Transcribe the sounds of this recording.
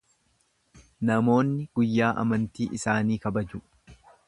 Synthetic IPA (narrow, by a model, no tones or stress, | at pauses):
nɐmo̞ːnːɪɡ̥ʊjːaːʔɐ̰mɐnt̪iːʔɪsaːniːkɐbɐd͡ʒʊ